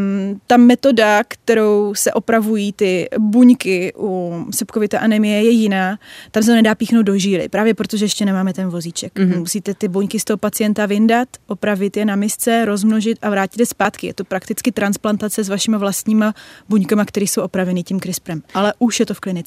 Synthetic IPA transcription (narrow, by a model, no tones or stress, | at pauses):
t̪amɛt̪o̞dakt̪ɛɾo̞wsɛʔo̞pɾavujiːt̪ɪbuɲkɪʔusɛpkovɪt̪aʔanɛmɪjɛjɛjɪnaːt̪ams̬ɛt̪nɛdaːpiːxnowd̪̚do̞ʒiːlɪ̰pɾaːvjɛpɾo̞t̪oʒɛjɛʃcɛnɛmaːmɛt̪ɛnvo̞zit͡ʃɛkmusiːt̪ɛt̪ɪbuɲkɪst̪oɦopat͡sɪjɛnt̪avɪndat̪ʔopɾavɪt̪jɛnamɪst͡sɛɾo̞zmnoʒɪt̪ʔavɾaːcɪt̪ɛspaːt̪kɪjɛ̰t̪o̞pɾakt̪ɪt͡skɪt̪ɾansplant̪at͡sɛzvaʃɪmavlast̪ɲiːmabuɲkamakt̪ɛɾiːso̞wʔo̞pɾavɛnicimkɾɪspɾɛmalɛʔuʃjɛt̪ofklɪnɪt͡sɛ